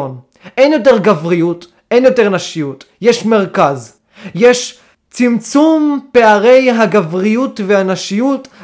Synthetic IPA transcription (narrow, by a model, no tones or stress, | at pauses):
on | ʔenjo̞t̬eʁɡavʁijut | ʔenjo̞teʁnaʃijut | jeʃmeʁkaz | jeʃ | t͡simt͡sumpeaʁe̞jɦaɡavʁijutvehanaʃijut